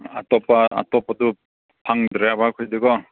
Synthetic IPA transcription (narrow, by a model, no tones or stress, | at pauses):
a̰tɔpaa̰tɔpadu | pʰaŋdɾejabakʰɔjdeɡɔ